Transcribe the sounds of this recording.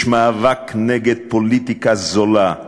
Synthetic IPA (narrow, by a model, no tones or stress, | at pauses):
ʃmaavakneɡed̪̚polit̪ikazola